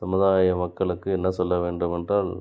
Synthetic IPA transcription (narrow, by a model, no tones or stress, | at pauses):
sɐmʊðaːjɐmɐkːɐɭɯkːɯɛnːɐsɔlːɐʋeːɳɖɯmɛndraːl